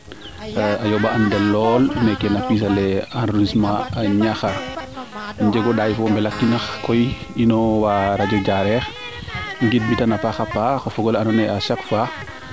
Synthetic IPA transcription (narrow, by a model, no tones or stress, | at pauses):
ajɔbaʔandɛlːɔlmɛkɛnapis̬alɛanismaɲaxa | ɲd͡ʒɛɡɔɗaːjfɔmbɛlak̚tːinɐxkɔjinɔwaɾad͡ʒɔd͡ʒaɾɛx | ŋɡit̚bitanapaxapːaxɔfɔɡɔlanɔnɛaʃakfa